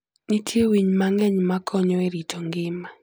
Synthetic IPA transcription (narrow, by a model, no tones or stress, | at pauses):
nitʰjewiɲmaŋɛɲmakʰɔɲɔeɾitʰɔŋɡɪma